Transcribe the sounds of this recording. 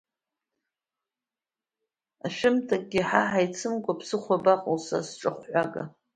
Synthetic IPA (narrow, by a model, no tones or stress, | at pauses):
aʃᶣɪmtʰak̚ʼɡʲiħaħajt͡sʰɨmɡʷʼapʰsɨχʷabaqʼolsa̰sʈ͡ʂʼɨχʷħʷaɡa̰